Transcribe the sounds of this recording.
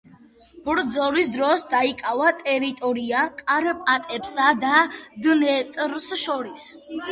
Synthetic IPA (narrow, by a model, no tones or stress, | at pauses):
b̥ɾd̪zɔɾisd̪ɾɔsd̪aikʼavat̪ʼɛɾit̪ʼɔɾiakʼaɾpʼat̪ʼɛpsad̪ad̪nɛt̪ʼɾsʃɔɾis